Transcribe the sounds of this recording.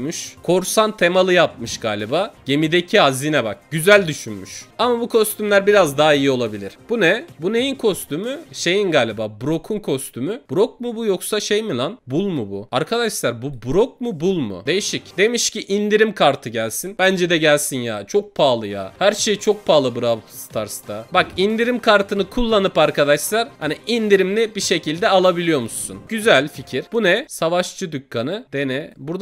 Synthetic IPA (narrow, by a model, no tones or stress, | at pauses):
myʃkʰo̞ɾsant̪ʰe̞malˠɯjap̚mɯʃɡ̥aːlʲibaːɟ̥e̞mid̪e̞cʰihazinɛbak̚ɟyzælʲd̪yʃynmyʃamabukʰo̞st̪ʰymlʲæɾbiɾazd̪aɦaijio̞lˠabilʲiɾ̥b̥unɛbune̞jinkʰo̞st̪ymyʃe̞jinɡaːlʲibaːbuɾo̞kʰunkʰo̞st̪ʰymyb̥uɾo̞k̚mubujoksaʃejmilˠanbulˠmubuaɾkʰad̪aʃlˠaɾbubɾok̚mubulˠmṵd̪e̞jiʃicd̪e̞miʃciʔind̪iɾimkʰaɾt̪ʰɯɟælʲsinbænd͡ʒɛd̪ɛɟælʲsinja̰ːt͡ʃʰo̞k̚pʰaːlˠɯja̰ːhæɾʃe̞jit͡ʃʰo̞k̚pʰaːlˠɯbɯɾat̪ʰst̪ʰaɾst̪ʰabakind̪iɾimkʰaɾt̪ʰɯnɯkʰulˠːanɯpaɾkʰad̪aʃlˠaɾ̥haniind̪iɾimlʲibiʃe̞cʰilʲd̪ɛalˠabilʲijo̞musːunɟyzælʲficʰiɾ̥b̥unɛsavaʃt͡ʃʰɯd̪ycʰːanɯd̪enɛbuɾd̪